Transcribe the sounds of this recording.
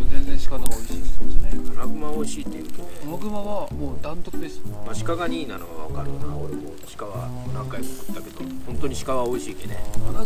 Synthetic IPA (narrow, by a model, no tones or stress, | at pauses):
zẽnzẽɕi̥kat̪aoiɕi̥ɕt̪emasnenaɡɯ̟mao̞iɕiːt̪ːejɯ̟ːt̪onemaɡɯmaβamoːd̪ãnt̪okɯd̪esɨmaɕi̥kaɡaɲiːnanoβa̰βakaɾɯ̟a̰koɾemo̰ɕi̥kaβanãŋkaimokɯ̟̥t̪ːake̞d̪o̞hõnt̪o̞ɲ̟iɕi̥kaβao̞iɕiːk̪enḛ